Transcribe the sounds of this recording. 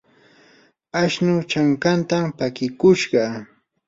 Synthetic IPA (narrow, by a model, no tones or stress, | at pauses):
aʃnʊt͡ʃaŋkant̪ampakɪkʊʃɢɑ